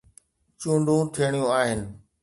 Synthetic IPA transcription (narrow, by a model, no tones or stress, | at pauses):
t͡ɕũːɳɖʱũt̪ʰiəɽ̃ijũaːɦɪnɪ̆